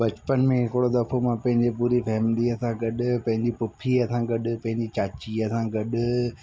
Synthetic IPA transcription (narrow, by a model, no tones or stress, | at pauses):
bɐt͡ɕpənmẽɦɪkɪɽod̪ɐfʰomãpɐ̃ɦɪ̃ɲd͡ʑepuːɾifʰɛːmd̪iɐsãɡɐɗʊpɐ̃ɦɪ̃ɲd͡ʑipʊpʰiɐsãɡɐɗʊpɐ̃ɦɪ̃ɲd͡ʑit͡ɕaːt͡ɕiɐsãɡɐɗʊ